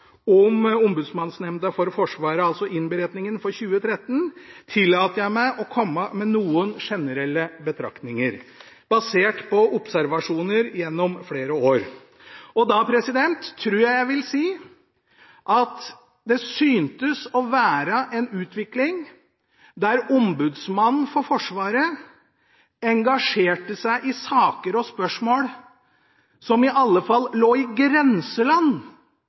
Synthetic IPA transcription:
ɔmʊmbʉd̪smɑnsnɛmd̪əfɔɾfɔʂʋɑːɾəɑlsɔʔɪnbəɾɛt̪nɪŋənfɔɾçʉːət̪ʰɾɛt̪ːənt̪ʰɪlːɑːt̪əjæɪmæɪʔɔkʰɔmːəmɛnuːənʂɛnəɾɛlːəbət̪ʰɾɑ̰k̪nɪŋəɾ | b̥ɑseːʈpʰɔʔʊpsæɾʋɑʂuːnəɾjɛnːɔmfleːɾəoːɾ | ɔd̪ɑpʰɾɛsɪd̪ɛnt̪ʰːɾʉːjæɪjæɪʋɪlsiː | ʔɑt̪ | d̪ɛsyːnt̪əsɔʋæːɾəʔɛnʉːt̪ʰʋɪklɪŋ | d̪æɾɔmbʉːd̪smɑnn̩fɔɾfɔʂʋɑːɾə | ɛŋɡɑʂeːʈəsæɪʔɪsɑːkəɾɔspœʂmoːɽ | sɔmɪʔɑlːəfɑlːloːɪɡɾɛnsəlɑnː

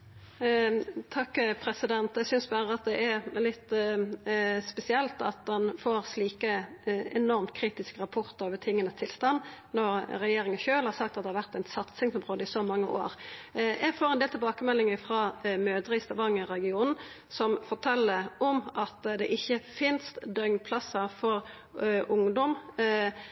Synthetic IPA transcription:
t̪ʰɑkːpʰɾɛsɪd̪ɛnt̪ɛɪsʏnsbæːɾəɑt̪̚d̪ɛʔæʁlɪt̪ː | spɛsɪɛlt̪ɑ̰t̪̚d̪ɛnfoːʁsliːkəɛnɔʁmt̪̚kʰɾiːt̪ɪskəɾɑpʰʊʁt̪əoːʋət̪ʰɪŋːənəst̪ʰɪlst̪ɑnːnɔɾɾɛjeːɾɪŋənçøːlhɑɾsɑk̚t̪ɑt̪d̪ɛhɑʋæʁt̪æɪnsɑt̪sɪŋsɔmʁoːd̪əɪsɔmɑŋːəʔo̰ːɾjɛɡfoːɾɛnd̪eːlt̪ʰɛlbɑːkəmɛlːɪŋəfʁɑːmøːd̪əɾɪɪst̪ɑʋɑŋəɾɛɡɪuːnn̩ | sɔmfɔʈʰɛlːəɔmʔɑt̪d̪ɛʔɪçːəfɪnst̪d̪œʏmnpʰlɑsːəfɔɾ | ʔʊŋd̪ɔm

